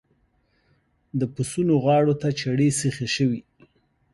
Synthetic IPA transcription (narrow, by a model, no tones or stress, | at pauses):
d̪əpəsunoɣwɑɽot̪at͡ʃaɽesəxeʃəwi